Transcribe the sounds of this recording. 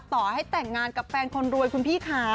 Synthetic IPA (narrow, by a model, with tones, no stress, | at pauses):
t̪ɔː˨˩ha˥˩jt̪ɛ˨˩ŋːaː˧nka˨˩p̚fɛː˧nkʰo˧nɾu˧əjkʰu˧npʰiː˥˩kʰaː˦˥